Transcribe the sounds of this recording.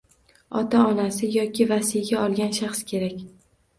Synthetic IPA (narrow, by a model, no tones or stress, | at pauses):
ɒt̪ʰaɒnasɪjɒkʲɪvasijɡʲaɒlˠɡʲanʃaχskʲʰe̞ɾakʲ